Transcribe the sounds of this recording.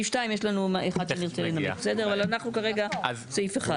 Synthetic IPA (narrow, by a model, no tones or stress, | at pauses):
iʃtaimjeʃlanumaʔeχad̥̪ʃeniʁt͡selinamibesed̪eʁavalanaχnukaʁeɡat͡saifeχa